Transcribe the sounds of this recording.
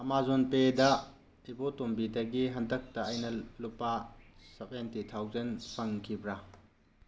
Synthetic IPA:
ɐmazonpedɐ | ibotombidɐɡiɦɐndɐk̚tɐːjnɐlupːasɐpentitʰawzenpʰɐŋkʰibɾɐ

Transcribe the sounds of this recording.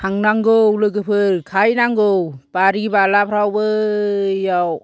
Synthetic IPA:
tʰaŋnaŋɡowlɯɡɯpʰɯɾkʰajnaŋɡɯwbaɾibalapʰɾawbɯ | jaw

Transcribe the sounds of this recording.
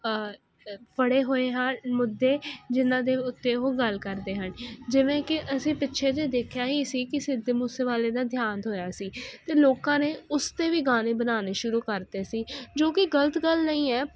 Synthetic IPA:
pəɽeːɦoːeːɦənmʊd̪ːeːd͡ʒɪnãːd̪eːʊt̪ːeːɦoːɡəlkəɾd̪eːɦənd͡ʒɪʋẽːkɪʔəsĩːpɪtːʃʰeːd̪eːd̪eːkʰjaːɦiːsiːkɪsɪd̪ːemuːseːʋaːleːd̪aːd̪ʱjaːnɦoːjaːsiːt̪eːloːkãːneːʊst̪eːʋiːɡaːneːbənaːneːʃʊɾuːkəɾd̪eːsiːd͡ʒoːkɪɡələt̪ɡəlnəĩːɛː

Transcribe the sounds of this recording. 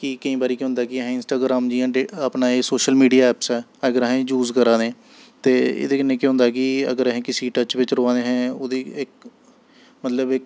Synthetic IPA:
kɪkəĩːbaːɾiːkːɦʊ̃nd̪aːkɪəɦɪnsʈaːɡɾaːmd͡ʒiːãːɖeapnaːesoːʃəlmiːɖijaːɛːpsɛːəɡəɾəɦẽːd͡ʒuːzkəɾãːd̪ẽː | t̪eːḛd̪eːkənːẽːkeɦʊ̃nd̪aːkɪə̰ɡəɾəɦẽːkɪsiːʈət͡ʃʋɪt͡ʃɾoːãːd̪eːɦɛ̃ːoːd̪iːɪk̚ | mət̪ləbɪk̚

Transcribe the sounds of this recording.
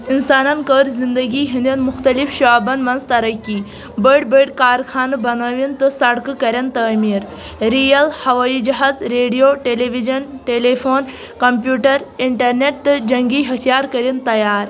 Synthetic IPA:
insaːnɐnkəːɾzind̪ɐɡiːɦind̪inmʊxt̪ɐlifʃaːbɐnmɐnzt̪ɐɾɐkːiː | bəɽbəɖkaːɾkʰaːnɨbɐnaːʋint̪ɨsɐɽkɨkɐɾʲjɐnt̪ɐːmiːɾ | ɾijɐlhɐʋaid͡ʒɐɦaːzɾeːɖijoːʈeleʋid͡ʒɐnʈeːlefʰoːn | kɐmpjuːʈɐɾiɳʈɐɾneʈ̚t̪ɨd͡ʒɐŋɡiːɦɐt̪ʰjaːɾkɐɾint̪ɐjaːɾ

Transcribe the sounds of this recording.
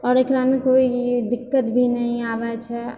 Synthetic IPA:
ɔːɾeklamẽkoid̪ɪkːət̪bʱinəɦĩaʋɛt͡ʃʰɛ

